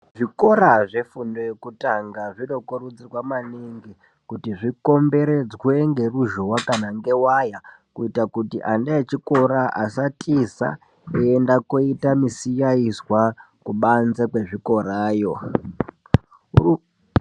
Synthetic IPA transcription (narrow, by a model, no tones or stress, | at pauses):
ʐiko̞ɾaʐefundo̞jekutaŋɡaʐino̞koɾud͡zirwamaniŋɡi | kutiʐiko̞mbe̞ɾe̞d͡zwe̞ŋɡe̞ruʒowakanaŋɡe̞waja | kuitakutḭʔandaet͡ʃiko̞ɾaʔa̰satʰʼisa̰ | eendakoitamisijaiswa | kuɓanzekwe̞ʐiko̞ɾaːjo̞